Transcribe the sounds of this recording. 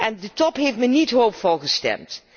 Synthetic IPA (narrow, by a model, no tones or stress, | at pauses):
ɛndətɔpɦejftmənitɦowpfɔlˠχəstɛ̰mt